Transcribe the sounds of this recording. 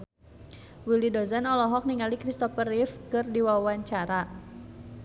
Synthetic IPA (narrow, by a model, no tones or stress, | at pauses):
wilidɔzanɔlɔɦɔk̚niŋalikɾist̪ɔfərifkɨrdiwawaɲt͡ʃaɾa